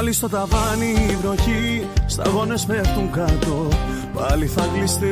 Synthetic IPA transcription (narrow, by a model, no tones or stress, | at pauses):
list̪o̞t̪ɐvɐnivno̞çist̪ɐ̰ɣo̞nespext̪uŋɡɐt̪o̞ | pɐliθɐklist̪i